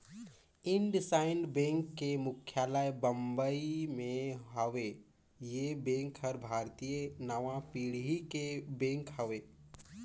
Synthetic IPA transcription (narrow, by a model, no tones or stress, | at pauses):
ɪ̃ɳɖɪsaːɪnɖbẽːŋkːemʊkʰjaːlajbə̃mbəimẽɦəʋe | jebẽːŋkɦəɾbʱaːɾt̪ijənəʋãpiːɽɦikebẽːŋkhɐʋeː